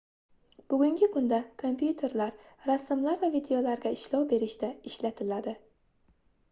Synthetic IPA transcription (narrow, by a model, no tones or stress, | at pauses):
b̥ʊɡʲʊŋɡʲɪkʰʊnd̪akʰompʰjut̪ʰe̞ɾlaɾɾasːɪmlaɾvavid̪eolaɾɡʲaɪʃlɒwbe̞ɾɪʃt̪aɪʃlat̪ʰɪlad̪ɪ